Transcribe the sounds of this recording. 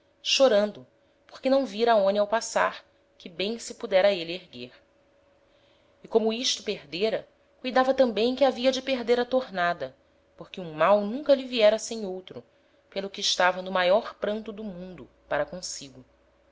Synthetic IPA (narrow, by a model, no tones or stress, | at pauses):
ʃoɾɐ̃nd̪ʊ | po̥χkɪnɐ̃w̃viɾɐːõnɪawpasa̰ɾ | kɪbẽj̃sɪpud̪ɛɾɐelɪeɦɡeɾ | ikõmʊiʃt̪ʊpeɦd̪eɾɐ | kujd̪avɐt̪ɐ̃mbẽj̃kɪaviɐd͡ʒɪpeɦd̪eɾɐt̪oɾnad̪ɐ | poχkɪũmawnũŋkɐlɪviɛɾɐsẽj̃owt̪ɾʊ | pelˠʊkɪːʃt̪avɐnʊmajɔɾpɾɐ̃nt̪ʊd̪ʊmũnd̪ʊ | paɾɐkõsiɡʊ